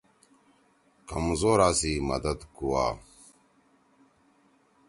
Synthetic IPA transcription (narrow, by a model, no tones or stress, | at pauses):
kɐmzoːɾaːsiːmɐ̰d̪ɐd̪kuwa̰ː